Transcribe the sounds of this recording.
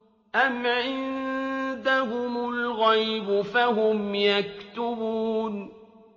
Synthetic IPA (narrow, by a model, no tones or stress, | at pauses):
ʔamʕɪnnd̪aɦʊmʊlɣajbʊfaɦʊmjak̚t̪ʊbuːn